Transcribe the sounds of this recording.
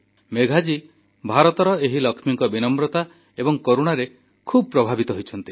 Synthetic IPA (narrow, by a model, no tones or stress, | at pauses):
meɡʱad͡ʒi | bʱaɾɔt̪ɔɾɔeɦilɔkʰmiŋkɔbinɔmbɾɔt̪a | ebɔŋkoɾuɽ̃aɾe | kʰubʱɔpɾɔbʱabit̪ɔɦojt͡ʃʰɔnt̪i